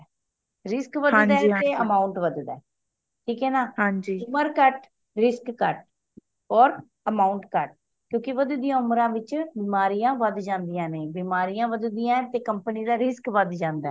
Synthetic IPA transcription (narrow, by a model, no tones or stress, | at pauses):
ɾɪskʋəd̪̃ɛːeːəmaːʊɳʈʋəd̪d̪ɛː | ʈʰiːkɛːnaːɦãːɲd͡ʒiːʊməɾkəʈ | ɾɪskːəʈ̚ | ɔːɾ | əmaːuɳʈkəʈ̚ | kjõːkɪʋəd̪d̪ijãːʊmɾãːʋɪt͡ʃbɪmaːɾiːjãːʋəd̪d͡ʒãːnd̪ijãːneːbimaːɾiːjãːʋəd̪d̪ijãːt̪eːkəmpəniːd̪aːɾɪskʋəd̪d͡ʒãːnd̪aɛ